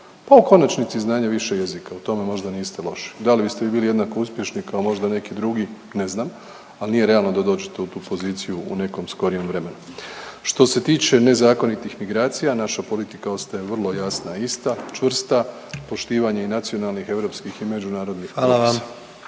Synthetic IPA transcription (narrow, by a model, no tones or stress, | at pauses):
pauko̞nat͡ʃnit̪siznaːɲaʋiʃe̞je̞zikaut̪o̞me̞mo̞ʒd̪aniːst̪e̞lo̞ʃi̥d̪alibist̪eiːbiːlije̞d̪nako̞uspje̞ʃnikao̞mo̞ʒd̪ane̞kid̪ɾuɡi | ne̞znam | alnije̞ɾe̞alˠno̞d̪ad̪o̞ːd͡ʒet̪eut̪uːpo̞ziːt̪sijuṵne̞ko̞msko̞ɾije̞mʋɾe̞me̞nuʃt̪o̞se̞t̪iːt͡ʃe̞ne̞zaːko̞nit̪ixmiɡɾaːt̪sijanaʃapo̞lit̪ikao̞st̪ajeʋr̩lˠo̞jasnaist̪at͡ʃʋr̩st̪a | po̞ʃt̪iːʋaɲeinat̪sio̞nalˠnixe̞ʋɾo̞ːpskixime̞d͡ʒunaːɾo̞d̪nixalaa